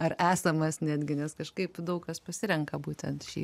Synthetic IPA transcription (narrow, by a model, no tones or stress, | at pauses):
ɐræːsɐmɐsnʲæːd̪ʲɡʲɪnʲɛskɐʃkɐɪpd̪ɐʊkkɐspɐsʲɪɾʲɛŋkɐbuːt̪ʲɛnt̪ʃʲḭː